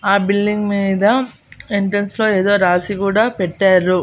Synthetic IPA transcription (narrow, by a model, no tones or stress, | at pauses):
aːbilːiŋɡmiːd̪ɐ | iɳʈɾɐnsloːeːðoːɾaːsikuːɽaːpɛʈːaːɾu